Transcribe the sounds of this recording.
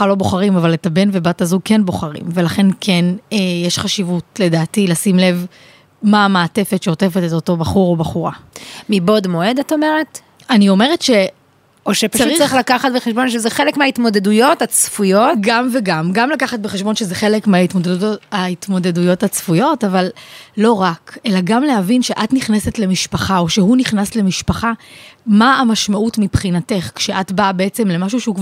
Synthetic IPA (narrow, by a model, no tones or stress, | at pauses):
alo̞bo̞χaʁimavaletabe̞nve̞batazuɡ̚kenbo̞χaʁḭmve̞laχe̞nkʰenejeʃχaʃivutle̞daːtilasimle̞v | maːmaːte̞fetʃeote̞feteto̞to̞baχuʁobaχuʁamibo̞dmo̞edataomeʁet | anio̞me̞ʁetʃe̞ | oʃepaʃut͡saʁiχlakaχat̚beχeʃbo̞nʃezeχelekmeaitmo̞dedujo̞tat͡sfujo̞tɡamveɡamɡamlakaχat̚beχeʃbo̞nʃezeχelekmeaitmodedutait̪mo̞de̞dujo̞that͡sfujo̞tavalːo̞ʁake̞laɡamle̞ɦavinʃe̞ʔatniχnesetle̞miʃpaχao̞ʃe̞ɦuniχnasle̞miʃpaχamaːmaʃmautmipχinate̞χkʃe̞ʔatbabeet͡se̞mle̞maʃuʃeukv